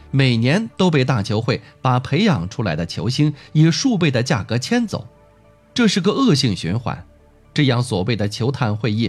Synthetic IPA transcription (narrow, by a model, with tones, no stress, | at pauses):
me˨˩ɪnjɛ˧˥nt̪o˥ʊp̬e˥˧ɪt̪a˥˩t͡ɕʰjo˧˥ʊxwe˥˩ɪpa˨˩pʰe˧˥ɪjɑ˨˩ŋʈ͡ʂʰu˥la̰˧˥ɪd̪ə˧t͡ɕʰjo̰˧˥ʊɕi˥ŋi˨˩ʂu˥˧pe˥˩ɪd̪ə˩t͡ɕja˥˩kɤ˧˥t͡ɕʰjɛ˥nt͡so̰˨˩˦ʊ | ʈ͡ʂɤ˥˧ʂɻ̩˥˩ɡə˧ɤ˥˧ɕi˥˩ŋɕy̰˧˥nxwa̰˨˩˦n | ʈ͡ʂɤ˥˧jɑ˥˩ŋswɔ˨˩we˥˩ɪd̪ə˩t͡ɕʰjo˧˥ʊt̪ʰa˥˧nxwe˥˧ɪi˥˩